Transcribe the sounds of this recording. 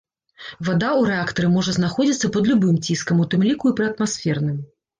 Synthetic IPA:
vad̪auɾɛakt̪ɐɾɨmɔʐɐznaxɔd͡zʲit̪sːɐpɐd̪lʲubɨmt͡sʲiskɐmut̪ɨmlʲikuipɾɨɐt̪masfʲɛrnɨm

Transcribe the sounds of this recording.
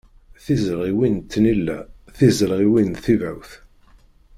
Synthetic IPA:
θizɾʁiwint̪ːnilːæθizəɾʁiwinθivæwθ

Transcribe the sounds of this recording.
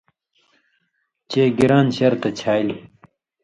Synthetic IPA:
t͡ɕeːɡiɾaːnɕɐɾt̪ɐt͡ɕʰaːl

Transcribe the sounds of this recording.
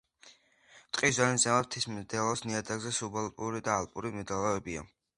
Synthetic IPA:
t̪ʼqʼiszalinzɛmat̪ʰismd̪ɛlˠɔsniad̪aɡzɛsubɔlˠpʼuɾid̪aːlˠpʼuɾimɛd̪ɛlˠavɛbia̰

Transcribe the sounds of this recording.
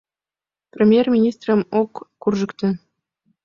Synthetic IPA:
prʲemʲjermʲinʲist̪rə̆mokːurʐɤ̆kt̪ɘ̆

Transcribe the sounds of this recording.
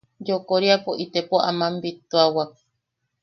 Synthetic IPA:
d͡ʒokoɾiapoʔit̪epoamãmbit̪uawak̚

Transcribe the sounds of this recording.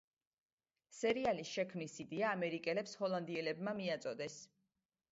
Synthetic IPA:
sɛɾialisʃɛkʰmnisid̪iaːmɛɾikʼɛlɛpshɔlˠand̪iɛlɛbmamiat̪sʼɔd̪ɛs

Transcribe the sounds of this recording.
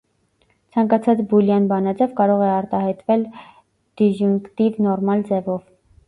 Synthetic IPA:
t͡sʰɑŋkɑt͡sʰɑt͡sbuljɑnbɑnɑd͡zɛvkɑɾɔʁɛɑɾt̪ɑɦɑjt̪vɛl | d̪̥iʒuŋkt̪ivnɔɾmɑld͡zɛvɔv

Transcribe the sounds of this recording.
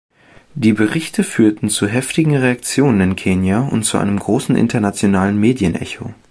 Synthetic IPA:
d̥iːbəʁɪçtʰəfyːɐtn̩t͡suɦɛftɪɡŋ̩ʁeak̚t͡sjoːnənɪnkʰeːnjaʊ̰ntt͡suʔa̰ɪnəmɡʁoːsn̩ʔɪ̰ntʰɐnat͡sjonaːlənmeːdjənʔɛ̰ço̰

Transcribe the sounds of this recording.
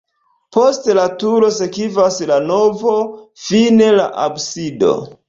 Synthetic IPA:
po̞stlatuɾo̞se̞kivaslano̞vo̞fine̞la̰ʔabsido̞̰

